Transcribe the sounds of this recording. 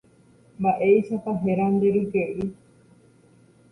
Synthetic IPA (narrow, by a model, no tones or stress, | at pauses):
mbaʔeiʃat̪aɦeɾand̪eɾukeʔi